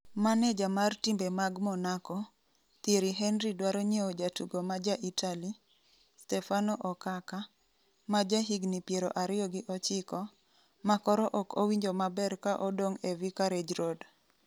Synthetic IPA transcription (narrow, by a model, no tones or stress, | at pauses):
manɛd͡ʒamartimbemaɡmɔnakɔ | t̪eɾiɦɛnɾidwaɾɔɲeod͡ʒatuɡomad͡ʒaʔitʰali | stɛfanɔʔɔkaka | mad͡ʒaɦiɡnipjeɾoʔaɾɪɔɡɪʔɔt͡ʃɪkɔ | makɔɾɔʔɔkowiɲd͡ʒomabɛɾkaʔɔdoŋevikaɾed͡ʒɾod